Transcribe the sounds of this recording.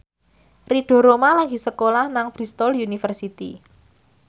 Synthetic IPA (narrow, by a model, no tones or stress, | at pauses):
riɖ̥ɔ̤ɾomalaɡisəkolahnaŋb̥ɾist̪ɔljunifərsit̪ḭ